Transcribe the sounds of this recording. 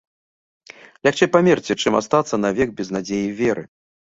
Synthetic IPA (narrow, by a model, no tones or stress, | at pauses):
lʲaxt͡ʂɛjpamʲɛrt͡sʲɛt͡ʂɨma̰st̪at̪sːɐnɐvʲɛɡ̚bʲɛznad͡zʲejivʲɛɾɨ̰